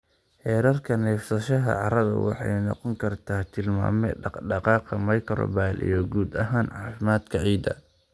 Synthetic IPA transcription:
ħɛːɾɐrkʰɐnɛːfsɐʃɐɦɐ̰ʕɑɾɐðɐ̰wɑ̰ħɑjnɑ̰qɔŋkʰɐrt̪ʰaːt̪ʰɪlma̰ːmɛ̰ɖɑqɑːqɐmɐjkʰɐɾɔ̰baːlʔḭjɞɡuːd̪ɐɦaːnʕɑːfɪmaːd̪kʰɐʕiːd̪ɐ̰

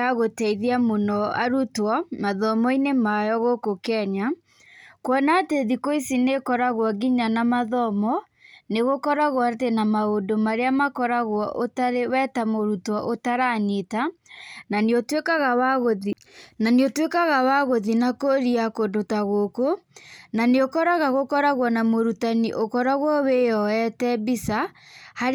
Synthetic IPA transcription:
aɣotɛiðiamonɔa̰ɾutwɔmaðɔmɔinemajɔɣokokɛɲa | kwɔnateðikoisinekɔɾaɣwɔɡiɲanamaðɔmɔ | neɣokɔɾaɣwɔatenamaondomaɾeamakɔɾaɣwɔʔotaɾewɛtamoɾutwɔʔotaɾanetananeotwekaɣawaɣoði | naneotwekaɣawaɣoðinakoɾiakodotaɣokonaneokɔɾaɣaɣokɔɾaɣwɔnamoɾutaniʔokɔɾaɣwɔwejɔɛtɛbisaha

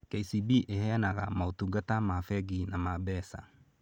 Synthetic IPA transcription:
kɛisibiʔehɛnaɣamaotuɡatamafɛɡinamabɛsa̰

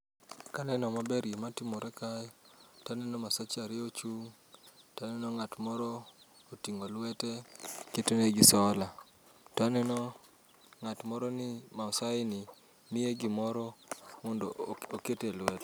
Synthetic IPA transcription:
kanɛnɔmabɛɾjematɪmɔɾʔɛkajtanɛnɔmasat͡ʃaɾɪot͡ʃuŋ | tanɛnɔŋatmɔɾɔ | otiŋolwɛtɛketoneɡɪsɔla | tɔanɛnɔ | ŋatmɔɾɔnɪmaɔsaɪnɪ | nɪeɡɪmɔɾɔmɔndɔoketelwɛtɛ

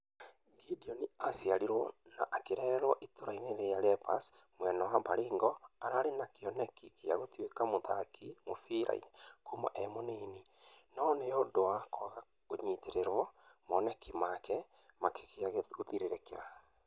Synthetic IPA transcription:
ɡidiɔniasjaɾiɾwɔna̰ʔakeɾɛːɾɛɾwɔʔitoɾaineɾeaɾɛpasmwɛnɔwabaɾeːŋɡɔaɾaɾenakeɔnɛkikeja̰ɣotwekamoðakimofiɾa̰ḭkomɔ̰ʔɛmoneninɔneondowakɔɣa | koɲiːteɾeɾwɔmɔnɛkimakɛ | makekeaɣotiɾeɾekeɾa

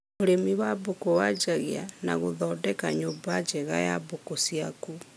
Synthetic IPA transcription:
moɾemiwabokowad͡ʒaɣeana̰ɣoðɔdɛkaɲobad͡ʒɛɣa̰ja̰bokosiaku

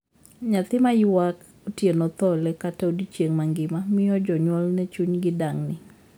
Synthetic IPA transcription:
ɲat̪ɪmajuwak | otjenɔt̪ɔlɛkataudit͡ʃeŋmaŋɡɪmamɪjɔd͡ʒɔɲwɔlnɛt͡ʃuɲɡɪdaŋnɪ

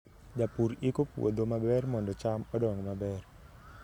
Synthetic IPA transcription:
d͡ʒapuɾikɔpṵʔɔ̰dɔmabɛrmɔndɔt͡ʃamɔdɔwaŋɔmabɛr

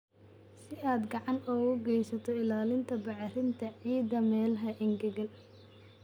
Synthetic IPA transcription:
sɪaːd̪ɡɑʕɑnɔːɣʊɡɛjsɐt̪ʰɔɪlaːlɪnt̪ʰɐbɑʕrɪnt̪ʰɐʕiːd̪ɐmɛːlɦɐʔɪŋɡɐɣɐl

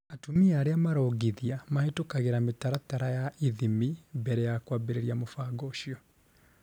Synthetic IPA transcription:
atumiaːɾeamaɾɔːɡiðiamaetokaɣeɾametaɾataɾajaʔiðimibɛɾɛjakwaːbeɾeɾiamofaɡɔʃiɔ

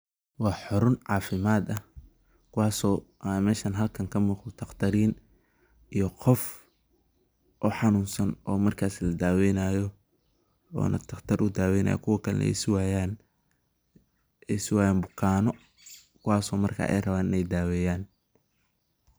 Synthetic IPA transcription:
wɑːħɔɾʊnʕɑːfɪmaːd̪ɐ | kʰʊwɑːsɔːʔmɛːʃɐnɦɐlkʰɐŋkʰɐmuːq̪t̪ʰɐqt̪ʰɐɾiːn | ijɔqʰɔf | ʔɔːħɑnuːnsɐnɔːmɐrkʰaːslɐd̪aːwɛjnaːjɔ | ɔ̰ːnʔɐ̰t̪ʰɐqt̪ʰɐɾʔʊd̪aːwɛjnʔa̰ːjɔ̰kʰʊwɐkʰɐlɛ̰nɛ̰swaːjaːn | ɛsʊwaːjaːnbʊkʰaːnɔ | kʰʊwɑːsɔːmɐrkʰa̰ːʔɛ̰jrɐβaːnɪnɛjd̪aːwɛːjaːn

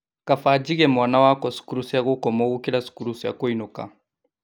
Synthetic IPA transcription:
kafad͡ʒiɡɛmɔnawakɔsu̥kuɾusiakokɔmɔɡukɛlasu̥kuɾusia̰koinokã̰

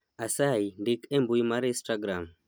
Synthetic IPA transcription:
asaiɳɖikembujimaɾisʈaɡɾam

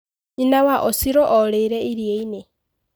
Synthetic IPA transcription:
ɲinawaʔosiɾoʔoleɾeiɾjeine

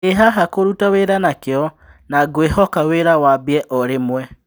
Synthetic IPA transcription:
eɦaɦakoɾutaweɾanakeɔ | naɡwehɔkaweɾawabiɛʔɔɾemwɛ

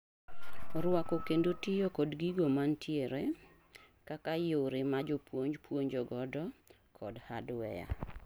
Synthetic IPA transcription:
ɾwakɔkendotɪjokɔdɡiɡomantjeɾe | kakajowɾemad͡ʒɔpwoɲd͡ʒpwoɲd͡ʒɔɡɔdɔ | kʰɔdhadwɛ̰ja̰

